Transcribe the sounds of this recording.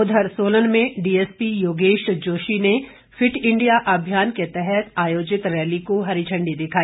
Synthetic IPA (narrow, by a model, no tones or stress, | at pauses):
ʊd̪ʱəɾsoːlənmẽɖiːeːspijoːɡeːʃd͡ʒoːʃine | fʰɪʈʰɪ̃ɳɖijaʔɐbʱjaːnket̪ɛɦɛt̪aːjoːd͡ʒɪt̪ɾɛːlikoɦɐɾit͡ʃʰə̃ɳɖid̪ɪkʰaːiː